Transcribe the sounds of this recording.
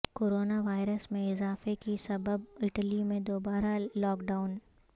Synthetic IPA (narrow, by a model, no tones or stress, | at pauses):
koːɾoːnaʋaːɪɾəsmẽɪzaːfekisɐbəbɪʈəlimẽd̪oːbaːɾalɔːkɖaːʊn